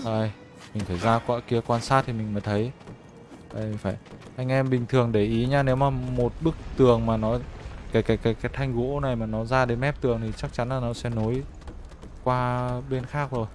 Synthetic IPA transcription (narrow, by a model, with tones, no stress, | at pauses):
ɗo˧˩j | mi˨˩ŋ̟t̪ʰə˧˩jzaː˧kaː˧ki˨˦əkwaː˧nsaː˦˥t̚t̪ʰi˨˩mï˨˩ŋ̟fəː˨˦jt̪ʰə˨˦j | a˧˩i̟˨˩faː˧˩jʔa˧jŋ̟ʔɛ˧mɓï˨˩ŋ̟t̪ʰɨ˨˩əŋɗe˧˩ʔi˨˦ɲaː˧ne˨˦wmaː˨˩mo˨˩t̚ɓɨ˦˥k̚t̪ɨ˨˩əŋmaː˨˩nɔ˨˦kaː˨˦jkaː˨˦jkaː˨˦jkaː˨˦jt̪ʰa˧jŋ̟ɣo˨˦ʔo˦˥na˨˩jmaː˨˩nɔ˨˦zaː˧ɗe˨˦nmɛ˦˥p̚t̪ɨ˨˩əŋt̪ʰi˨˩t͡ɕa˦˥k̚t͡ɕa˨˦nlaː˨˩nɔ˨˦sɛ̰˧˥no˨˦j | kwaː˧ɓe˧nxaː˦˥k̚zo˨˩j